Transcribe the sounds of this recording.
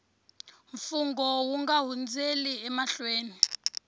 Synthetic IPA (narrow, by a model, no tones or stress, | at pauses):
ɱfuŋɡɔwuŋɡaɦund͡zeliɛmaɬweːni